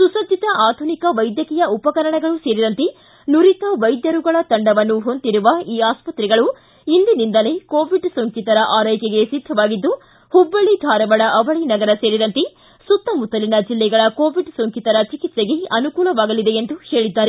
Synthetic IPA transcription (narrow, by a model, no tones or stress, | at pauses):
susɐd̪ːit̪ɐʔaːd̪ʱunikɐʋɐjd̪jɐkɛjɐupɐkɐɾɐɳɐɡɐɭuse̞ːɾid̪ɐnt̪e | nuɾit̪ɐʋɐjd̪jɐɾuɡɐɭɐt̪ɐɳɖɐʋɐnːuɦo̞nd̪iɾuʋɐiːaːspɐt̪ɾɛɡɐɭu | ind̪inind̪ɐlekoːʋiɖsoŋkit̪ɐɾɐʔaːɾɐjkeɡe̞sid̪ʱɐʋaːɡid̪ːu | hubːɐɭid̪ʱaːɾɐʋɐɽɐʔɐʋɐɭinɐɡɐɾɐse̞ːɾid̪ɐnt̪e | sut̪ːɐmut̪ɐlinɐd͡ʒilːɛɡɐɭɐko̞ːʋiɖsoŋkit̪ɐɾɐt͡ʃikit̪seɡe̞ɐnukuːlɐʋaːɡɐlid̪e̞end̪uhe̞ːɭid̪ːaːɾe